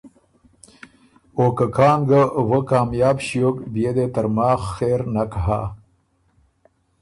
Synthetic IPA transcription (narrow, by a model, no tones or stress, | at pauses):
okəkɑːŋɡəwəkaːmjɑːbɕijokbijed̪et̪ɐɾmɑːxːeːɾnakɦa̰